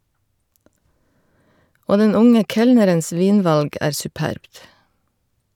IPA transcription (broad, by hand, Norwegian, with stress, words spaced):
ˈoː ˈdɛn ˈʊŋə ˈkɛlnəɾəns ˈʋiːnˌʋɑlɡ ˈæːɾ sʉˈpæɾbt